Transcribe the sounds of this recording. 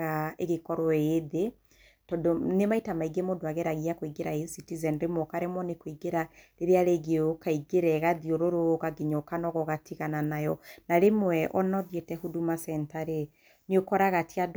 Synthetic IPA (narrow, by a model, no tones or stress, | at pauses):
ɣaeɣekɔɾɔeðe | tɔdonemaitamaiɡemodoaɣeɾaɣiakoiɡeɾaesitizɛnɾemɔkaɾemwɔnekoiɡeɾaɾeɾeaɾeɣeokaiɡeɾɛɣaðioɾoɾoɣaɡeɲokanɔɣɔɣatiɣananajɔnaɾemwɛʔɔnɔðjetɛhudumasɛntaɾe | niokɔɾaɣatiad